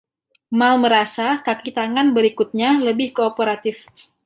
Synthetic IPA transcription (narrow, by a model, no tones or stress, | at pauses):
malməɾasakakit̪aŋanbəɾikut̪̚ɲaləbɪhkoːpoɾat̪ɪf